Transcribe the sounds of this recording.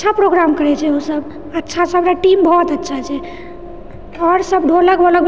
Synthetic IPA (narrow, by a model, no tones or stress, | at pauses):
t͡ʃʰapɾoɡɾamkəɾɛt͡ʃʰɛusəb | ətːʃʰasəbɾaʈimbʱɔt̪ətːʃʰat͡ʃʰɛ | ɔɾsəbɖʱoləkbələk